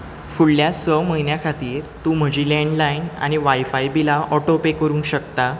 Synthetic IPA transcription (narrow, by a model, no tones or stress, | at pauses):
fuɽljasəməɦinjakʰat̪iːɾt̪uːm̤əd͡ʑilɛ̃ɳɖlaina̰ñiʋajfajbilaʔɔʈopekəɾuːnɕəkt̪a